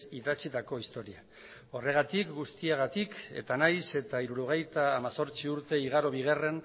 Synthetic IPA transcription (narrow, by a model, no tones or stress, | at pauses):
iðat͡sit̪ako̞ist̪o̞ɾia | o̞re̞ɣ̞at̪ikɡust̪iaɣ̞at̪ike̞̰t̪anajse̞t̪aiɾuɾoɣ̞e̞jt̪aːmaso̞ɾt͡siuɾt̪e̞iɣ̞aɾo̞β̞iɣ̞ere̞n